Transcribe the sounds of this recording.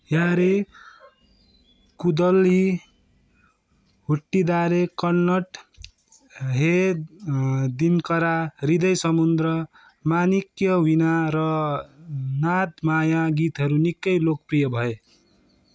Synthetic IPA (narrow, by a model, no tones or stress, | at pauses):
jaɾe | kud̪ʌli | ɦuʈːid̪aɾekʌːʌʈ | ɦe | d̪inkʌɾarid̪ʌjsʌmund̪rʌ | manikjʌwinaɾʌ | nat̪majaɡit̪ɦʌɾunikːʌjlok̚prijʌbʱʌe